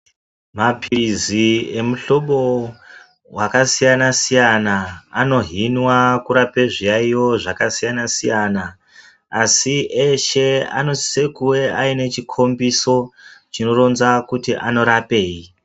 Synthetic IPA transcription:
mapʰirizie̞muɬo̞ɓo̞ | wakasijanasijanaano̞ɦinwakuɾapeʐijaijo̞ʐakasijanasijanaː | sieʃe̞a̰no̞ti̥se̞kuwe̞ʔaine̞t͡ʃikʰo̞mbiso̞t͡ʃino̞ro̞nzakutiʔano̞ɾape̞ːi

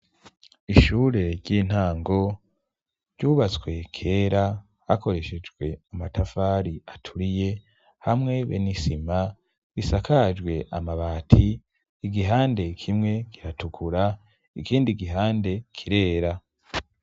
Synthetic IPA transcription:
iʃuːɾe̞ɾɟiːn̥haːŋɡo̞ | ɾɟuːβat͡sɡwe̞kʰe̞ːɾa | hako̞ɾe̞ʃe̞d͡ʒɡwe̞amatafaːɾiatʰuɾije̞ | hamŋe̞βḛnisima | ɡisakʰad͡ʒɡwe̞ʔamaβaːtʰi | iɡiɦaːnde̞kʰimŋe̞ɡ̥iɾatukʰuɾa | ikiːndiɡiɦaːnde̞kʰiɾe̞ːɾa

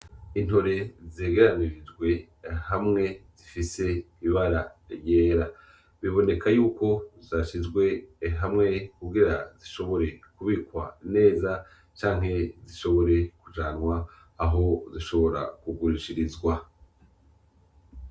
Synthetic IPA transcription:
in̥ho̞ɾe̞zeːɡeɾaniɾid͡ʒɡwe̞ | hamŋe̞z̥ifise̞ | iβaɾaɾje̞ːɾa | βiβo̞ne̞kʰajuːko̞zaʃizɡwe̞ɦamŋe̞kuɡiɾaziʃo̞βo̞ɾe̞kuβikwa̰ne̞ːza | t͡ʃaːŋ̥he̞ziʃo̞βo̞ɾe̞kud͡ʒaːnŋwaː | ɦo̞ziʃo̞βo̞ɾa̰kuɡuɾiʃiɾizɡwa

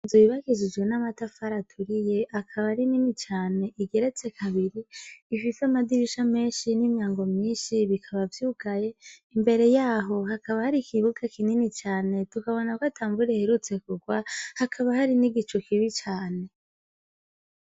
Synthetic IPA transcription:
nzuiβaɡizid͡ʒwe̞namatafaɾatʰuɾije̞ʔakʰaβaɾininit͡ʃaːne̞ʔiɡe̞ɾe̞t͡se̞kʰaβiɾiːfisamadiɾiʃame̞ːnʃinimjaːŋɡo̞mɲiːnʃiβikʰaβavjuːɡaje̞imbe̞ɾe̞jaːɦo̞hakaβahaɾikʰiβuɡakininit͡ʃaːne̞tukaβo̞nakwoatʰaːmbuɾeheɾut͡se̞kuɡwahakʰaβahaɾiniɡit͡ʃokʰiβit͡ʃaːne̞

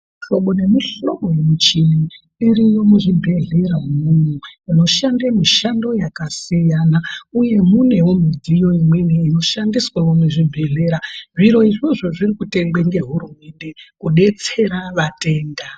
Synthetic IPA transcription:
ʃo̞ɓo̞ne̞miʃo̞ɓo̞je̞mut͡ʃini | iɾijo̞muʐibʱe̞ɮe̞ɾaumunuino̞ʃandemiʃando̞jakasijanauje̞mune̞wo̞mid͡zijo̞imwe̞neino̞ʃandiswawomuʐibʱe̞ɮe̞ɾaʐiɾo̞iʐoʐo̞ʐirikute̞ŋɡ͡beŋɡe̞ɦuɾume̞nde̞kuɗe̞t͡se̞ɾaʋate̞ːnda

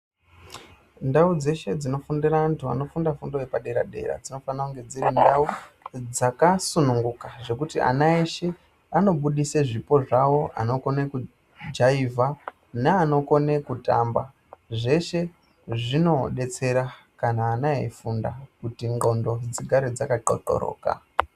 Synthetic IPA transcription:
ndaud͡ze̞ʃe̞d͡zino̞fundiraantʰua̰no̞fundafundojepaɗe̞ɾa̰ɗe̞̰ɾa̰d͡zino̞fanauŋɡe̞d͡ziɾindaud͡zakasunuŋɡukaʐe̞kutiʔa̰nae̞ʃe̞ | ano̞ɓuɗiseʐipo̞ʐawo̞a̰no̞ko̞ne̞ku | d͡ʒaivʱa | neano̞ko̞ne̞kuta̰mba | ʐe̞ʃe̞ | ʐino̞ɗe̞t͡se̞ɾa | kanaːnaḛifundakutiŋɡo̞ndo̞d͡ziɡʱaɾed͡zakaǃo̰ǃo̰ɾo̰ːka̰

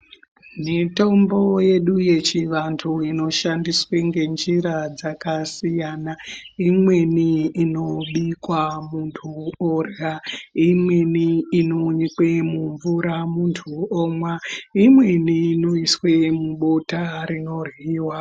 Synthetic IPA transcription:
mito̞mbo̞je̞ɗuje̞t͡ʃiʋantʰuino̞ʃandisweŋɡe̞nd͡ʒiɾad͡zakasijanaimwe̞niːno̞ɓikwamuntʰuorjaimweniːnoɲikwemuɱvuɾamuntʰuoːmwaimwe̞niːno̞iswe̞muɓo̞taɾino̞rwiːwa

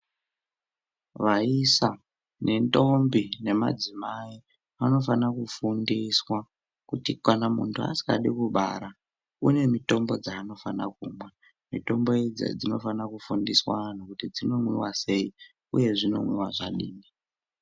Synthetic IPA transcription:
ʋaisa | ne̞nto̞mbine̞ma̰d͡zimai | ano̞fanakufundiswa | kutikwanamuntʰua̰si̥ka̰ɗikuɓa̰ɾa | une̞mito̞mbo̞d͡zaːno̞fanakuːmwe | mito̞mbo̞ed͡zḛd͡zino̞̰fanakufundiswano̞kutid͡zino̞mwiwase̞i | ṵje̞ʐino̞̰mwiwaʐa̰ɗiːni

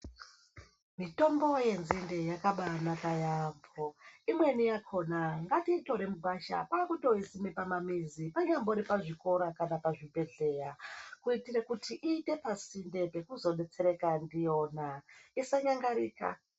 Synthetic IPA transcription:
mito̞mbo̞je̞nzindejakaɓanakajamboimwe̞nijakʰo̞naŋɡatiːto̞ɾe̞muɡʱwaʃa̰paːkuto̞isimipamamizipaɲamboɾipaʐiko̞ɾakanapaʐibʱe̞ɮe̞ɾakuitirekutiʔiːte̞pasinde̞pe̞kuzo̞ɗe̞t͡se̞ɾe̞kandijo̞ːnaisaɲaŋɡaɾiːka̰

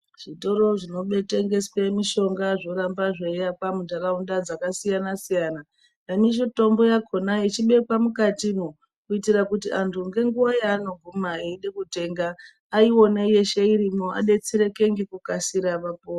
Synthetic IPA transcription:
ʐ̥ito̞ɾo̞ʐino̞ɓe̞teŋɡe̞swemiʃo̞ŋɡaʐo̞ɾambaʐeapamundaɾaundad͡zakasijanasijaːna | emiʃ̬oto̞mbo̞jakʰo̞nait͡ʃiɓe̞kwamukatimo | kuitirakutiʔantʰuŋɡe̞ŋɡuʋajaːno̞ɡʱumaiiɗekute̞ŋɡaː | iwo̞neje̞ʃe̞iɾimoʔa̰ɗe̞t͡siɾeke̞ŋɡikukasiɾaʋapoo

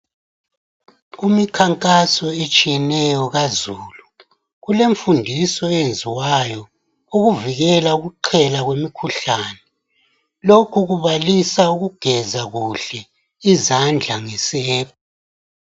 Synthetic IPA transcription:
umikʰaŋkʼasɔet͡ʃʼijɛnɛjɔɣazuːlu | ɣuleɱfundʱisɔend͡zʱiwajɔ | uɣuviɣɛlauɣuǃʰɛlaɣwemikʰuɬaːnɛ | lokʰuɣuβalisauɣuɡ̥ʱɛzaɣuɬɛ | izand͡ɮʱaŋɛsɛːβɔ

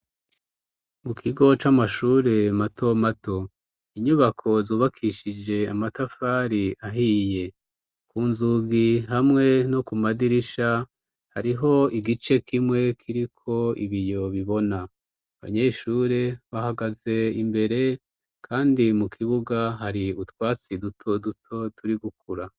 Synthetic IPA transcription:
mukʰiɡo̞t͡ʃamaʃuːɾe̞matʰo̞matʰo̞ | iɲuβakʰo̞zuːβakʰiʃid͡ʒe̞amatafaːɾiʔaɦije̞ | kuːnzuɡihamŋe̞no̞kumadiɾiʃa | haɾiɦo̞iɡit͡ʃe̞kʰimŋe̞kʰiɾikʰo̞ḭβijo̞βiβo̞naː | βa̰ɲe̞ːʃuːɾe̞βahaɡaze̞imbe̞ɾe̞ | kʰaːndimukʰiβuɡaɦaɾiutwaːt͡sidutʰo̞dutʰo̞tuɾiɡukuɾa

